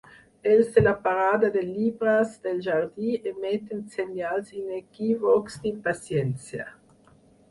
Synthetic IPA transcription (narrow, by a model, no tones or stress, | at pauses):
elsd̪elapaɾaːd̪ad̪elːibɾasd̪elʒard̪iemɛt̪ːensenjalsinekivɔksd̪impasjɛnt͡sja̰